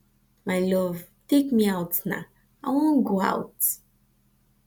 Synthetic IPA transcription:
majlɔvtekmiawtna̰ | ajwõnɡoa̰wt

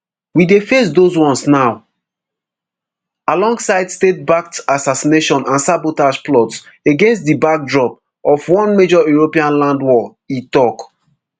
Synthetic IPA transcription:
widefes̬doswɔ̃nsnaʊ | alɔ̃ŋɡsaɪdstet̚bak̚tasasineʃɔ̃nãnsabotaʃplɔts | eɡɛ̃nstdibak̚dɹɔp | ɔfwɔ̃nmed͡ʒɔjuɹopiãnlãndwɔ | itɔk

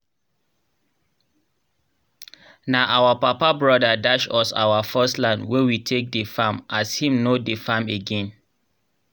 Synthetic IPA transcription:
naʔawapapabɹɔdadaʃɔsa̰wafɛstlãndwɛwitʰek̚dəfãmʔashĩmnodefãmeɡɛ̃n

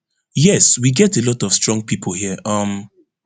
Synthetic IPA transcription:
jɛswiɡɛtelɔtɔv̥stɹ̥ɔ̃ŋɡ̚pʰipʰol̩hiəʔʌm

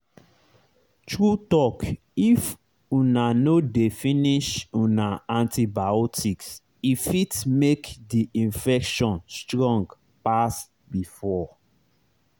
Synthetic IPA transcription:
tɹutɔk | if | unanodefĩniʃunaãntibaɔtʰiks | ifitmekdiʔĩnfɛkʃɔ̃nstɹɔ̃ŋɡ | pas | bifɔ

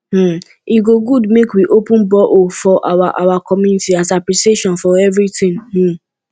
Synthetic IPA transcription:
m̩ | iɡoɡudmekwiʔopũnbɔʔofɔʔawaʔawakɔmjunitiasapliseʃɔ̃nfɔɛvɾitɪ̃ŋm̩̃

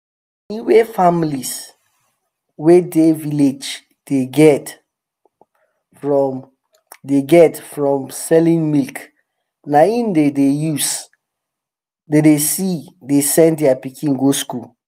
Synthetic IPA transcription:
ĩnwefamilis | wedeviled͡ʒ | d̥eɡɛt | fɹɔm | deɡɛtfɹɔ̃msɛlĩnmilk | naĩndedejus | dedesidesɛ̃ndiapikĩnɡoskul

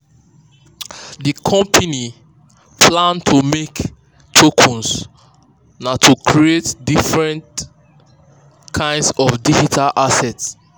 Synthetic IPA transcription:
dikʰɔ̃mpʰani | pʰlãntʰumek | tʰokʰɔ̃ns | natʰukʰɹietdifɹɛ̃nt | kʰãɪ̃ndsɔfdid͡ʒitʰalʔasɛts

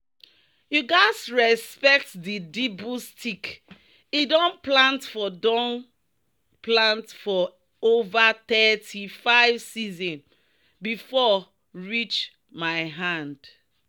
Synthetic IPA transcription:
juɡaɪsɹɛspɛk̚tdidibustik | idɔ̃nplãntfɔdɔ̃n | plãntfɔ | ovat̪ɛtʰifaɪvsizɔ̃n | bifɔ | ɹit͡ʃ | maɪɦãnd̥

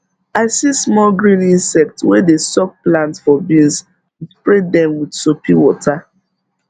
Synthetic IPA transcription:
aɪsismɔlɡɹĩnĩnsɛk̚twedesɔk̚plãntfɔbĩns | pɹedɛ̃mwidsopʰiwɔta

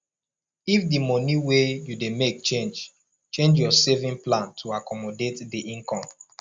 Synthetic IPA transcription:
ifdimɔniwejudemek̚t͡ʃẽnd͡ʒ | t͡ʃẽnd͡ʒjɔsevĩŋplãntʰuakɔmɔdetdiʔĩŋkɔ̃m

